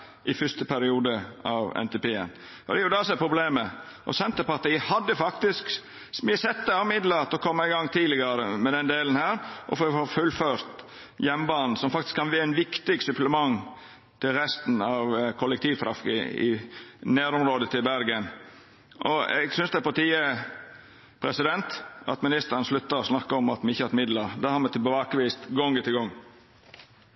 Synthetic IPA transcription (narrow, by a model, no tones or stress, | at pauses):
ʔɪfʏst̪əpʰæɾɪuːd̪əɑʋɛ̰nt̪ɛpeːə̰n | ɔ̰d̪ɛæɾjʊd̪ɑsɔɛpʰɾʊbleːmə | ʔɔ̰sɛnt̪əɾpɑɾt̪iːəhɑd̪ːəfɑkt̪ɪsk | smɪəsɛt̪ːəɑmɪd̪lət̪ɔkʰɔmːəɪɡɑŋːt̪ʰiːlɪɡəɾəmɛd̪ɛnd̪eːlən̩hæːɾʔɔ̰fofofʉlːføːɾt̪ | jɛmːbɑːnn̩sɔmfɑkt̪ɪ̥skʰːɑnʋiːænʋɪkt̪ɪɡsʉpləmɑŋ | t̪ʰɪlɾɛst̪n̩ɑʋkʰɔlːɛkt̪ʰiːʋt̪ʰɾɑfkə̰ɪ̰neːɾʊmɾoːd̪ət̪ʰɪlbæɾɡən | ʔɔɛ̰ɡsʏnsd̪ɛpɑt̪iːə | pʰɾɛsɪd̪ɛnt̪ɑ̰t̪mɪnɪst̪əɾənslʉt̪ːəɾɔsnɑkːəɔmɑt̪mɛɪçːəhɑɾt̪mɪd̪ləɾd̪ɛhɑɾmɛt̪ɪlbəʋɑːkəʋiːst̪ɡɔŋɡət̪ɪlɡɔŋː